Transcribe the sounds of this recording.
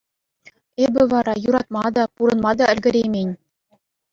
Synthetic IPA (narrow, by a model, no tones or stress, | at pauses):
ebʲɘ̆ʋɑɾɑjuɾɑt̪̚mɑd̪ɑpuɾɤ̆nmɑd̪ɑɘ̆lʲɡʲɘ̆ɾʲejmʲenʲ